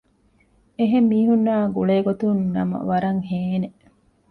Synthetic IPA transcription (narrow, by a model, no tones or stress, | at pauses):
eɦemːiːɦunːaːɡuɭeːɡot̪unnɐmɐ̰ʋɐɾɐŋheːne